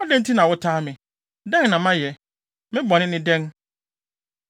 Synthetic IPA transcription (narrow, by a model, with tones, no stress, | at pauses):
ɔ˦dɛ̃˦n˦tʰi˦nã˨wʊ˦tʰaː˦mɪ̃˨ | dɛ̃˦ŋnã˨mã˦jɛ˨ | mɪ̃˦bɔ˨nɪ̃˦nɪ̃˦dɛ̃˦n